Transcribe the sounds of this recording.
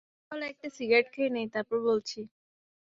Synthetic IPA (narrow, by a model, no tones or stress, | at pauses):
ɔleɛk̚ʈasiɡɾeʈkʰejnejt̪aɾpoɾbolt͡ɕʰi